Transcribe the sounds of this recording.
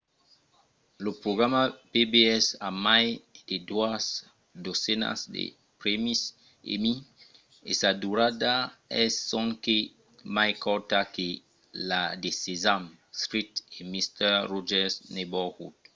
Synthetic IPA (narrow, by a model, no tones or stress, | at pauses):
lopɾoɡɾamapebeɛsamajd̥̪ed̪uas | d̪osɛna̰sd̪ḛ | pɾemis | ḛmi | ḛsad̪uɾad̪aɛsːɔ̃ŋke | majkɔɾt̪ake | lad̪esezam | skɾit̪emist̪ɛrɔʒɛsnebɔhut